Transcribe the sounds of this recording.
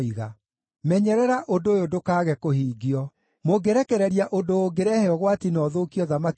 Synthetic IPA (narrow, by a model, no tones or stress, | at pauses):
iɣa̰ | mɛɲɛɾɛɾaʔodojodokaːɣɛkohiːɡiɔ | moɡeɾɛkɛɾɛɾiaʔondoːɡeɾɛhɛɔɣwatinɔðoːkiɔðama